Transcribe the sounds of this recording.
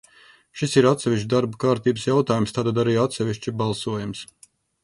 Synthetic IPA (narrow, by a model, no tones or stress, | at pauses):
ʃisiɾat̪sɛvʲiʃ̬t͡ʃʲd̪aɾbukaːɾt̪iːbəsjawt̪aːjumst̪aːt̪ad̪aɾiːat̪sɛʋʲiʃt͡ʃibalˠsuɔjums